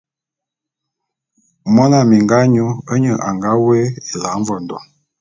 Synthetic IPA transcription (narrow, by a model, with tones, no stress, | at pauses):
mɔ˦na˨mi˨ŋɡa˦ɲu˦ə˦ɲə˦˨ʔa˨ŋɡa˦wɛ˦e˨la˨˦ɱ˦vɔ˨n˨dɔ̰˨